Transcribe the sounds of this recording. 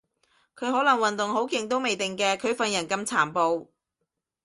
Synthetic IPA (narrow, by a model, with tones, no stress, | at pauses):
kʰɵ˨˧ɥɦɔː˨˥lɐ˨˩ŋwɐ˨nt̪ʊ˨ŋho˨˥wkɪ˧ŋt̪̬o˥wme˨jt̪ɪ˨ŋkɛː˧kʰɵ˨˧ɥfɐ˧njɐ˨˩nkɐ˧mt͡sʰaː˨˩mpo˧w